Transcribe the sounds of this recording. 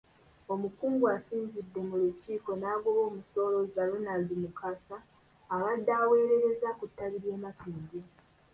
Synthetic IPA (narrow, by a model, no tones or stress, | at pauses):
o̞mukuːŋɡuasiːnzidːe̞muluciːko̞naːɡoβo̞ːmuso̞ːlo̞zalunaldimukasaː | βadːaːwe̞ːɾe̞ɾe̞zakutːaβiɾje̞ːmapiːɲɟi